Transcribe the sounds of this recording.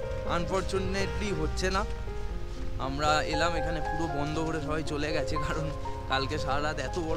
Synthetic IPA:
anfoɾt͡ɕuneʈliɦotːɕʰena | a̰mɾaelamekʰanepuɾobɔnd̪ʱoɦoɽeʃɔbʱajt͡ɕoleɡɛt͡ɕʰekaɾon | kalkeʃaɾad̪ɛt̪obɔ

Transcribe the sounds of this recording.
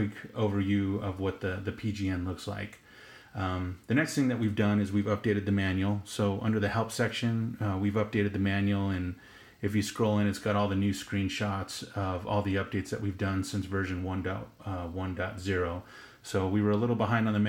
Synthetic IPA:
koʊvə˞jʉʌvwʌt̪̚ðɨðɨpʰid͡ʒiɛ̃nlʊksla̰ɪk | ðɨnɛksθɪ̃ŋðɨʔ̚wivdʌ̃nɨzwivʌp̚d̥eɪɾɨd̪̚ðɨmæ̃njl̩ˠsoʊʔʌ̰̃ndə˞ðɨhɛlˠpsɛkʃɨ̃nwivʌp̚d̥eɪɾɨd̪̚ðɨmæ̃njl̩ˠɨ̃n | ɨfjɨskɹ̥oʊlˠɨ̃ñɨtsɡ̥ɑɾɔlˠðɨnʉskɹĩnʃɑtsʌvɔ̰lˠðiʌp̚d̥eɪtsðɨ̰ʔwivdʌ̃nsɪ̃nsvɜ˞ʒɨ̃nwʌ̃ndɑ̰t̚wʌ̃ndɑtz̥ɪɹoʊ | soʊwiwə˞əlɪɾl̩ˠbəɦãɪ̃ndn̩ðɨm

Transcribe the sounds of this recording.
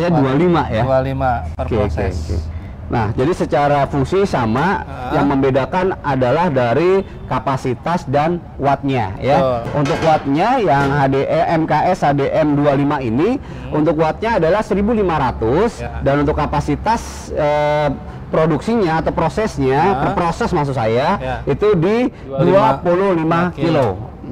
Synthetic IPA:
ɲaddualimaja | okekḛkḛ | nʔa̰hd͡ʒadisət͡ʃaɾafuŋsisamajaŋməmbedakanadalahdaɾi | kapasit̪asdan | wat̪̚ɲa̰jaunt̪ʊkwat̪̚ɲajaŋɦadeʔɛʔɛmkaʔɛshadeʔɛmdualimaini | unt̪ʊkwat̪̚ɲaːdalahsəɾibulimaɾat̪ʊsdanunt̪ʊkːapasit̪as | ə | pɾoduksiɲaːt̪awpɾosɛsɲapərpɾosɛsmaks̬usajait̪udi | duapololimakilo

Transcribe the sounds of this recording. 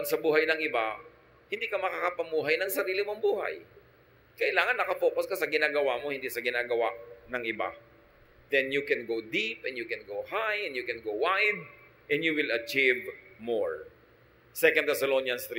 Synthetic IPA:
ɐd̪sɐbuːɦɐjnɐŋʔɪba | hɪnd̪iːkɐmɐkakɐpɐmuːɦɐjnɐŋsɐɾiːlɪmoŋbuːha̰j | kɐʔɪlaːŋɐnːɐkɐfo̞ːkoskɐsɐɡɪnaːɡɐwamohɪnd̪isɐɡɪnaːɡɐwaʔnɐŋʔɪba̰ | d̪ɛnjʊkɛnɡowd̪ipɛnjʊkɛ̃nɡowhajɛnd̪jʊkɛnɡowwajd̪̚ | ʔɛ̃nd̪juwɪlɐt͡ʃivmoɹ | sɛkɐ̃nd̪ɛsɐlonjɐnst̪ɾ

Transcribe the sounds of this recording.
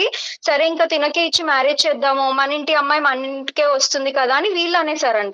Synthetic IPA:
isɐɾeiŋkaːt̪inɐkeːit͡ʃːimaːɾed͡ʒt͡ʃɛːd̪ːaːmumɐnːiɳʈiɐmːaːjmɐnːiɳʈi̥ke̞ːʋɐst̪und̪ikɐd̪aːɐniʋiːɭːaːneːsaːɾɐɳʈa

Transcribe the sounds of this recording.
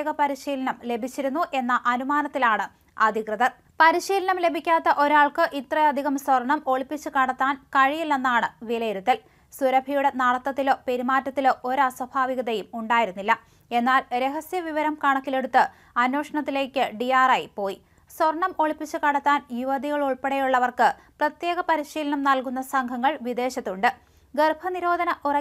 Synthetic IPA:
ɣɐpɐɾiɕiːlɐɳɐmle̞bʱit͡ɕːiɾunːuʔe̞nːɐʔɐnumaːnɐt̪ːilaːɳɨ | ɐd̪ʱikrɨðɐ | pɐɾiɕiːlɐɳɐmle̞bʱikʲːaːt̪ːɐʔo̞ɾaːɭkɨʔit̪rɐjɐd̪ʱiɣɐmswɐrɐɳɐmo̞ɭipːit͡ɕːɨkɐɽɐt̪ːaːnkɐɻijilːenːaːɳɨʋilɐjeɾut̪ːɐl | suɾɐbʱɐjuɽenaːɽɐt̪ːɐt̪ːilo̞ːpe̞ɾimaːtːɐt̪ːilo̞ːʔoɾaswɐbʱaːʋiɣɐðɐjumuɳɖaːjiɾunːilːɐ | e̞nːaːlɾe̞ɦɐsjɐʋiʋɐɾɐmkaːɳɐkːile̞ɽut̪ːɨ | ɐnːo̞ːʂɐɳɐt̪ːile̞ːkʲːɨɖijaːrɐjipo̞ːji | swɐrɳɐmo̞ɭipːit͡ɕːɨkɐɽɐt̪ːaːnjuʋɐd̪iɣɐɭuɭpeɽɐjuɭːɐʋɐrkɨ | prɐt̪je̞ːɣɐpɐɾiɕiːlɐɳɐmnɐlkun̪ːɐsɐŋɡʱɐŋːɐɭʋid̪e̞ːɕɐt̪ːuɳɖɨ | ɡerbʱʰɐniɾo̞ːd̪ʱɐnɐʔurɐ

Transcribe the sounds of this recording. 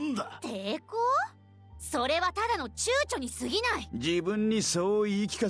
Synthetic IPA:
nd̪at̪ʰeːkoː | so̞ɾe̞βat̪ad̪ano̞t͡ɕɨːt͡ɕo̞ɲ̟isɨɡʲinaid͡ʑibɯ̟̃ɲ̟ːisoːikʲi̥ka

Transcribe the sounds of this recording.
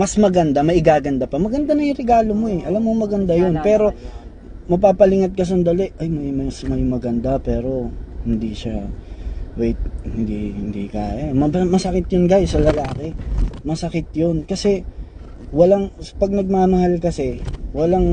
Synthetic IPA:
mɐsmɐɡɐnd̪amɐʔɪɡaːɡɐnd̪apɐmɐɡɐnd̪anɐjʊŋɾɛɡaːlomo̞ɛʔɐlamːoŋmɐɡɐnd̪ajonpɛːɾo̞ | mɐpaːpɐlɪŋɐt̪̚kɐs̬ɐnd̪ɐlɛʔʔɐjmɐmɐsmɐjmɐɡɐnd̪apɛːɾo̞hɪnd̪iʃa | wɛjt̪̚hɪnd̪ihɪ̰nd̪ḭkaːjɐmɐɐmɐsɐkɪt̪̚jonɡajsɐlɐlaːkɪmɐsɐkɪt̪̚jonkɐsɛ | wɐlaŋspɐɡ̚nɐɡ̚mamɐhalkɐsɛwɐlaŋ

